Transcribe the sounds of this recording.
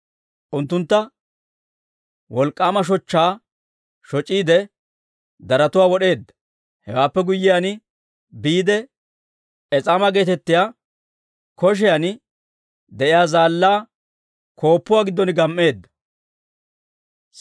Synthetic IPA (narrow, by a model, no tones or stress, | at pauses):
ʔʊnt̪ːʊnt̪ːɐ | wɔlkʼːaːmɐʃ̬ɔt͡ʃːaː | ʃɔt͡ʃʼːiːd̪ɛ | d̪ɐɾɐt̪ʊwaːwɔɗe̞ːd̪ːɐ̥ | hɛwaːpːɛɡʊjːɪjaːn | biːd̪ɛ | ɛt͡sʼaːmɐɡe̞ːt̪ɛt̪ːɪjaː | kɔʃ̬ɛjan | d̪ɛʔɪjaːzaːlːaː | kʰo̞ːpːʊwaːɡɪd̪ːɔnɪɡɐmːe̞ːd̪ːɐ̥